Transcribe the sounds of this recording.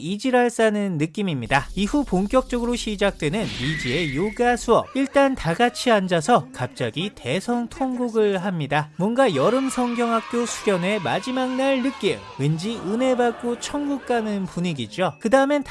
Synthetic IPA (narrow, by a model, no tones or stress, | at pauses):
id͡ʑiɾaɭs͈anɯnːɯk͈imimɲidaihupoŋk͈jʌk̚t͡ɕ͈ʌɡɯɾoɕʰid͡ʑak̚t͈we̞nɯnid͡ʑie̞joɡasʰuʌp̚iɭt͈antaɡat͡ɕʰiand͡ʑasʰʌkap̚t͡ɕ͈aɡite̞sʰʌŋtʰʌŋɡuɡɯɭɦamɲidamwʌnɡajʌɾɯmsʰʌŋɡjʌŋɦak̚k͈josʰu̥ɡjʌne̞mad͡ʑimaŋnaɭnɯk͈im | wend͡ʑiɯne̞bak͈ot͡ɕʰʌŋɡuk̚k͈anɯnpuɲiɡid͡ʑokɯdaɯme̞nt